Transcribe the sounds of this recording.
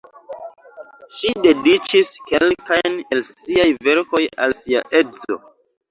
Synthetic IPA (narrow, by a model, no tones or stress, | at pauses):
ʃide̞dit͡ʃiskelkajnelsiajve̞ɾko̞ja̰lsia̰ʔezo̰